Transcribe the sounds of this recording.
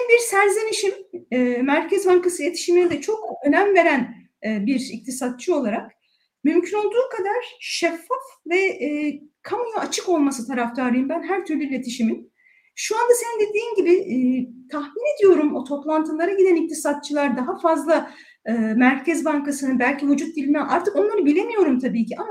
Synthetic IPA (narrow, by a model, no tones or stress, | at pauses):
mbiɾsæɾze̞niʃimːmæɾcʰɛzbaŋkasɯlʲet̪ʰi̥ʃiminɛd̪ɛt͡ʃʰo̞kø̞næmve̞ɾænː | biɾḭc̚t̪ʰisat̪̚t͡ʃʰɯo̞lˠaɾak | mymcʰyno̞lˠd̪uːkʰad̪aɾ̥ʃɛfːafvɛː | kʰamujaat͡ʃʰɯko̞lˠmasɯt̪ʰaɾaft̪ʰaɾlɯjɯmbænɦæɾt̪ʰyɾlʲyilʲe̞t̪ʰiʃimin | ʃuand̪ase̞nind̪e̞d̪iːmɟibɪt̪ʰaxmine̞d̪ijo̞ɾumot̪ʰo̞plˠant̪ʰɯlˠaɾaɟid̪ænic̚t̪ʰisat̪̚t͡ʃʰɯlˠaɾd̪aɦafazlˠa | ɯːmæɾcʰɛzbaŋkasɯnɯbælʲcivud͡ʒut̪̚d̪ilʲinɛʔaɾt̪ʰɯko̞nlˠaɾɯbilʲe̞mijo̞ɾumt̪ʰabiːcʰiʔama